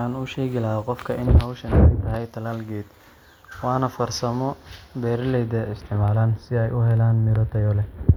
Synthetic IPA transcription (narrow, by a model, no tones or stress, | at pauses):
aːnʊʃɛːɣɪlɐɦɐqɔfkʰɐʔɪnhɐwʃɐnɪɡt̪ɐɦɛjt̪ʰɐlaːlɡɛːd̪ | wɑːnɐfɐrsɐmɔbɛːɾlɛjd̪ɛʔɪst̪ʰɪʕmaːlaːnsɪɛjʔʊɦɛlaːnmɪɾɔt̪ʰɐjɔlɛ